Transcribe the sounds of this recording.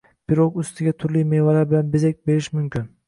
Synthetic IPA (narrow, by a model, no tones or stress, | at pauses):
b̥ɪɾokʊst̪ʰɪɡʲat̪ʰʊɾlijmevalaɾbɪlanbɪzek̚ʲbe̞ɾɪʃmʊmkʲʰɪn